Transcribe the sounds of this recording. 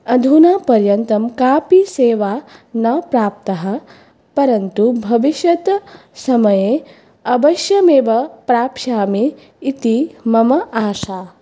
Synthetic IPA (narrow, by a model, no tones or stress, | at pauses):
ɐd̪ʱunaːpɐɾjɐnt̪ɐmkaːpiseːʋaːnɐpɾaːp̚t̪ɐɦɐ̆ | pɐɾɐnt̪ubʱɐʋiʃjɐt̪ | sɐmɐjeː | ɐbɐʃjɐmeːʋɐpɾaːpʃaːmiː | t̪imɐmɐʔaːʃaː